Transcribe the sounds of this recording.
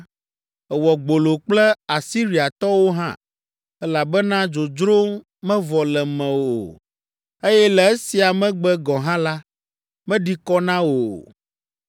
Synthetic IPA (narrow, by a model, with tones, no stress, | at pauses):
ɛ˨wɔ˨ɡ͡bo˨lo˨k͡plɛ˦a˨si˦ɾi˨a˨t̪ɔ˦wo˦ɦã̰˦˨ | ɛ˦la˨bɛ˦nã˦d͡ʒo˨d͡ʒɾo˦ | mɛ̃˦vɔ˨lɛ˨mɛ̃˨wo̰˨ | e˦jɛ˦lɛ˨e˦si˨a˨mɛ̃˦ɡ͡bɛ˦ɡɔ̃˨ɦã˦la˦ | mɛ̃˦ɖi˦kɔ˦nã˦wo˨